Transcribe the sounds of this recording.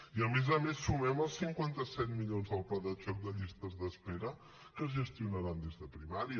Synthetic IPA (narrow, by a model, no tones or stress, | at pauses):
iəmezəmesːumɛməlˠsiŋkwant̪əsɛt̪̚miʎonzðəlˠplaðəʒɔk̚d̪əʎist̪əzðəspeɾə | kəzʒəst̪iunəɾand̪ezðəpɾimaɾiə